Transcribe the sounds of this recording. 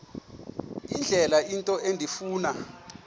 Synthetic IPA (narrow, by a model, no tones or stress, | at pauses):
ind͡ɮʱɛlaintʼɔendʱifuːna